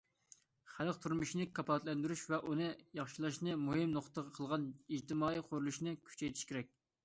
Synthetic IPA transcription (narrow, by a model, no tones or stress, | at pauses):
χælˠqt̪ʰuɾmuʃnɨkʰɑpʰɑt̪lɛnd̪yɾyʃvɛʔunɨjɑχʃilˠɑʃnɨmuɦɪmnoχt̪ːəʁɑqʰəlˠʁɑnid͡ʒt̪ʰɨmɑːiqʰoɾulˠuʃnɨkʲʰy̥t͡ʃʰɛjt̪ʰiʃkʲeɾɛk̚ʲ